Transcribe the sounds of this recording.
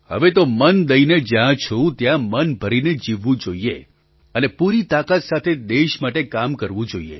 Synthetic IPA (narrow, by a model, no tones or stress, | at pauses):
hə̰ʋet̪omənd̪əined͡ʒjãt͡ʃʰõt̪jãmənbʱəɾined͡ʒiʋːũd͡ʒoie | ənepuɾit̪akat̪sat̪ʰed̪eʃmaʈekamkəɾʋũd͡ʒoiḛ